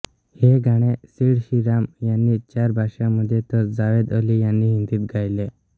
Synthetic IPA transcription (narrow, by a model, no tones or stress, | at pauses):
heɡʱaɽ̃esiɽɕiɾamjanːiːt͡ɕaɾbʱaɕãməd̪ʱjet̪ət͡sd͡zaʋed̪əlijanːiːɦind̪iːt̪ɡʱajle